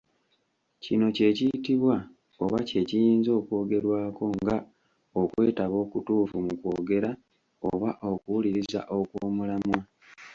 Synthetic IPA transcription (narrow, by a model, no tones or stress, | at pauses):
cino̞ce̞ːcijitiβwa | o̞βace̞cijiːnzo̞ːkwo̞ːɡe̞ɾwaːko̞ŋɡa | o̞kwe̞ːtaβo̞ːkutuːfumukwo̞ːɡe̞ɾa | o̰βaʔo̞kuwuliɾiza̰ʔo̞kwoːmulamwa